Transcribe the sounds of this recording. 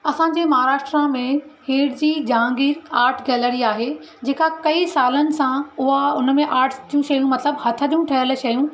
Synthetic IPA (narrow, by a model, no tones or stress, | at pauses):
ɐsãːd͡ʑeːmɐɦaːɾaːʃʈɾamẽheːɽd͡ʑiːd͡ʑãːŋɡiːɾaːɾʈʰɡɛːləɾiaːɦe | d͡ʑeːkakɐisaːlənɪ̆sãʊɦaʊnmẽʔaːɾʈʰd͡ʑjũʃɐjũmɐt̪ləbhɐt̪ʰəd͡ʑũʈʰɐɦəlʃɐjũ